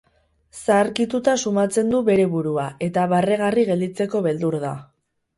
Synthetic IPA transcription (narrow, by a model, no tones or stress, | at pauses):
saːɾkit̪ut̪asumat͡se̞nd̪uβe̞ɾe̞βuɾuae̞t̪aβareɣ̞ariɣe̞ld̪it͡se̞ko̞βe̞ld̪uɾða